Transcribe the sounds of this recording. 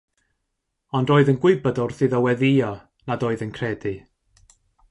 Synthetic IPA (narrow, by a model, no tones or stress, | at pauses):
ɔndroːɨðənɡwɪbɔdɔrθɨðɔwɛðiɔ | nadoːɨðənkʰrɛdi